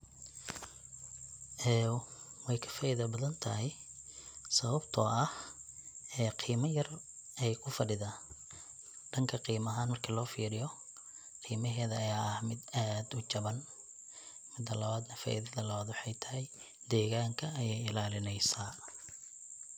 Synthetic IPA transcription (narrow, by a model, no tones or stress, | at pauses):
ʔɛːwɛjkʰɐ̥faːʔɪðɐbɐðɐnt̪ʰɐɦɛj | sɐβɐbt̪ʰɔːʔɐh | ɛːqʰiːmɐjɐr | ʔɛjkʰʊfɐɖɪðaː | ɖɐŋkʰɐqiːmɐɦaːnmɐrkʰɐlɔːfiːɾɪjɔ | qʰiːmɐɦɛːðɐːjaːɐhmɪd̪aːd̪ʊt͡ʃɐβɐn | mɪd̪ːɐlɐβaːd̪nɐfa̰ːʔɪðɐðɐlɐβaːd̪wɑħɑjt̪ʰɐɦɛj | d̪ɛːɣaːŋkʰɐːjɛjɪlaːlɪnɛjsaː